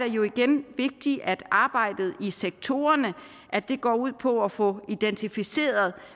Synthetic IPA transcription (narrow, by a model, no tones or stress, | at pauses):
d̥ejo̝iɡ̥enʋe̝ɡ̥̚d̥iʔæd̥ɑ̈ːb̥ɑ̈ɪ̰d̥ð̞̩ˠiseɡ̥̚t͡sʰo̝ːɐnə | ʔæd̥e̝ɡ̥ɒ̰ːuð̰ˠpʰɒ̽æfɔ̽id̥ent͡sʰifise̝̰ːɐð̞̩ˠ